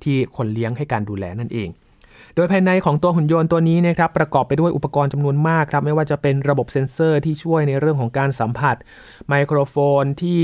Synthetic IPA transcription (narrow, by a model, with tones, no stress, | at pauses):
t̪ʰiː˥˩kʰo˧nli˦˥əŋha˥˩jkaː˧nduː˧lɛ̰ː˧na˥˩nʔḛː˧ŋ | doː˧jpʰaː˧jna˧jkʰɔː˩˦ŋt̪u˧ɐɦu˨˩˦njo˧nt̪u˧ɐniː˦˥n˥˦˥kʰɾa˦˥pːɾa˧kɔː˨˩pːa˧jdu˥˩əjʔpːa˧kɔː˧nt͡ɕa˧mnu˧ənmaː˥˩kʰːɾa˦˥p̚ma˥˩jwaː˥˩t͡ɕa˨˩pe˧nɾa˧bo˨˩p̚se˧nsɤː˥˩t̪ʰiː˥˩t͡ɕʰu˥˩əjna˧jɾɯ˥˩kʰɔː˩˦ŋkaː˧nsa˩˦mpʰa˨˩t̪̚ | ma˧jkʰɾoː˧foː˧nt̪ʰiː˥˩